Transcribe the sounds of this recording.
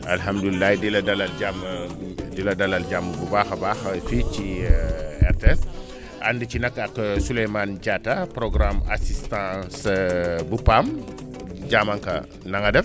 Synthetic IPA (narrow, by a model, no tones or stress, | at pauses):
alɦamdulilːajdilɐdɐlɐlɟam | dilɐdɐlɐlɟamːəbubaːxɐbaːxɐfici | ɛ̰rtɛs | ʔa̰ndəcinɐkːɐksulɛjmand͡ʒatapɾɔɡɾama̰sistãsbupam | ɟamɐŋkɐ̰ | nɐŋɐdɛf